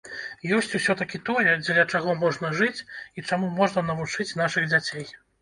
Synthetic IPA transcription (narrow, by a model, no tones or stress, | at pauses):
jɔsʲt͡sʲusʲɔt̪ɐkʲit̪ɔjɛd͡zʲɛlʲɐt͡ʂaɣɔmɔʐnɐʐɨt͡sʲit͡ʂamumɔʐnɐn̪ɐvut͡ʂɨt͡sʲnaʂɨɣd͡zʲat͡sʲej